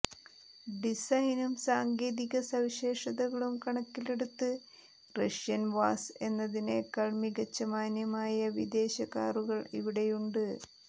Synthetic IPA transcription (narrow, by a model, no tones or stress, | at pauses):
ɖisɐjnumsaːŋɡeːðiɣɐsɐʋiɕe̞ːʂɐðɐɣɐɭumkɐɳɐkːile̞ɽut̪ːɨ | rɐʂjɐnʋaːse̞nːɐðine̞kɐɭmiɣɐt͡ɕːɐmaːnjɐmaːjɐʋid̪e̞ːɕɐɣaːruɣɐɭiʋiɽe̞juɳɖɨ